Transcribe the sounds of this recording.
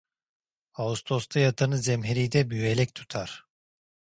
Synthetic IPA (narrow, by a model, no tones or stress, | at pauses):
aust̪ʰost̪ʰajat̪ʰanɯzɛmɦeɾijd̪ɛbyelʲɛct̪ʰu̥t̪ʰaɾ̥